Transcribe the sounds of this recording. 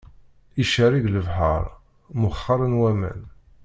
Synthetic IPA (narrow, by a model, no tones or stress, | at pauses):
iʃəɾiɡləvħə̰ɾˤ | mʊχːɑɾˤənwæmæ̰n